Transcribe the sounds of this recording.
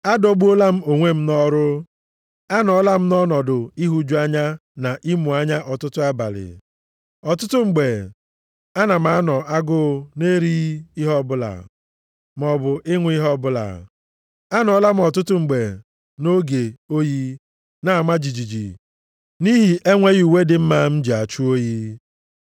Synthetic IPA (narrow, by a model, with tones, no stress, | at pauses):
a˦do˦ɡ͡bu˦o˦la˦m̩˦o˨ŋʷe˦m̩˦nɔ˦ɾʊ˦ | a˦nɔ˨˦la˦m̩˦nɔ˦nɔ˨dʊ˨i˦ɦu˦d͡ʒu˦a˦ɲa˦na˨ʔi˦mu˨a˦ɲa˦ʔɔ˨tʊ˦tʊ˦a˦ba̰˨lɪ̰˨ | ɔ˨tʊ˦tʊ˦ŋ͡m̩˨ɡ͡be˨ | a˦na˨m̩˨a˨˦nɔ˨a˦ɡʊ˦ne˦ɾi˦i˦ɦɔ˦bʊ˦la̰˨ | m˨ɔ˨bʊ˨ʔɪ˦ŋʷ˦i˦ɦɔ˦bʊ˦la̰˨ | a˦nɔ˨˦la˦m̩˦ɔ˨tʊ˦tʊ˦ŋ͡m̩˨ɡ͡be˨ | no˦ɡe˨o˦ji˦ | na˨ma˦d͡ʒi˨d͡ʒi˨d͡ʒḭ˨ | ni˦ɦi˨ʔe˦ŋʷe˦ɣu˨we˦dɪ˨m̩˦ma˦m̩˦d͡ʒi˨a˨t͡ʃu˦o˦ji˦